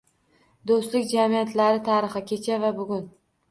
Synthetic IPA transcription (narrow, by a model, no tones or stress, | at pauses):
d̪ost̪lɪkʲd͡ʒamijat̪ʰlaɾɪt̪ʰaɾɨχɨkʲe̞t͡ʃʰavabʊɡʲʊn